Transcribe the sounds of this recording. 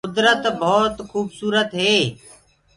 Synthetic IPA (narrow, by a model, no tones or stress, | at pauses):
kʊd̪ɾət̪bʱoːt̪xuːbsuːɾət̪ɦeː